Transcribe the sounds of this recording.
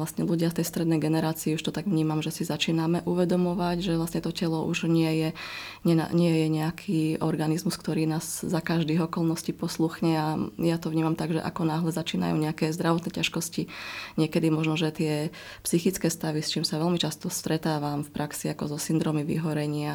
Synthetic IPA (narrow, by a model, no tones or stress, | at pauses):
lasɲɛluɟɪaft̪ɛjst̪ɾɛd̪nɛjɡɛnɛɾaːt͡siiuʃt̪ɔt̪aɡʋɲiːmamʒɛsizat͡ʃiːnamɛʔuʋɛd̪ɔmɔʋaɟʒɛʋlastɲɛt̪ɔcɛlɔʔuʒɲɪɛjɛɲɛa̰ɲɪɛjɛɲɛakʰiːɔɾɡanizmuskt̪ɔɾiːnaːz̥zakaʒd̪iːɦɔkɔlˠnɔscipɔsluxɲɛajat̪ɔʋɲiːmamt̪aɡʒɛ̰ʔa̰kɔnaːɦlɛzat͡ʃiːna̰jṵːɲɛakɛzd̪ɾaʋɔt̪nɛcaʃkɔsciɲɪɛkɛd̪imɔʒnɔʒɛt̪ɪɛ | psixit͡skɛːst̪aʋist͡ʃiːmsaʋɛlmit͡ʃast̪ɔst̪ɾɛt̪aːʋamfpɾʔaksiakɔzɔsind̪ɾɔːmiʋḭɦɔɾɛɲɪa